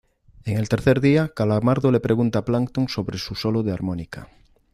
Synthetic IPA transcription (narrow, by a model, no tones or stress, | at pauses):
eŋelt̪eɾθeɾðiakalamaɾðolepɾʔeɣ̞unt̪aplaŋkt̪oŋsoβɾesusoloðeaɾmõnika